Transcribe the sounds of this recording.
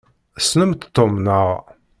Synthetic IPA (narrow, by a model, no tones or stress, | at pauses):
snəmt̪t̪ːomnəʁ